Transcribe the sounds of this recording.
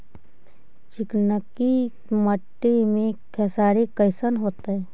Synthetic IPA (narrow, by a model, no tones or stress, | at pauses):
t͡ʃɪknəki | məʈːimẽkʰɛsaːɾekəɪsənɦoːt̪aɦɛː